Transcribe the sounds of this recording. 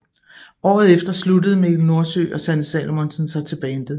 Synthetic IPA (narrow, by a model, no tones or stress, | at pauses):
ɒ̰ːð̞̩ˠefd̥ɐsludəð̩ˠəmeno̝ɐsø̰ːʔɒ̽sænəsɛ̰ːlomonsənsɑ̈ɪt͡sʰe̝b̥ɛːnd̥eðˠ